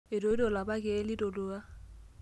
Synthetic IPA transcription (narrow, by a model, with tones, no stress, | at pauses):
ɪ˨do˨˦do˨la˨ba˦kʼɛ˨˦lɪ˦do˨lo˦a˦